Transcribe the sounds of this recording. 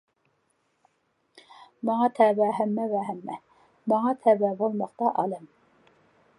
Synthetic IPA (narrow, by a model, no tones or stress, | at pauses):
mɑŋɑt̪ʰæbæɦæmːɛvæɦæmːɛ | mɑŋɑt̪ʰæbæbolˠmɑqt̪ɑʔɑlɛm